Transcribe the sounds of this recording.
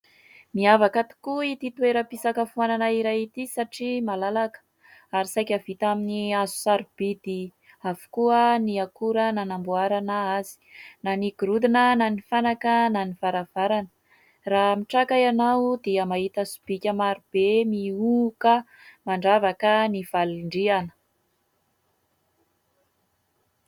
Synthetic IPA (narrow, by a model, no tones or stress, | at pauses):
miavakat̪i̥kuit̪it̪weɾəpisakəfuananaiɾajit̪isaʈ͡ʂimalalakə̥ | aɾisajkʲavit̪aminiazu̥saɾub̥id̪i | avu̥kuəniakuɾənanambuaɾanəazi̥naniɡuɾud̪inənanifanakənaniv̥aɾav̥aɾanə̥ | ramiʈ͡ʂakajanawd̪iəmaɦit̪asu̥b̥ikʲəmaɾub̥emiukə | maɳɖ͡ʐavakəniv̥aliɳɖ͡ʐianə̥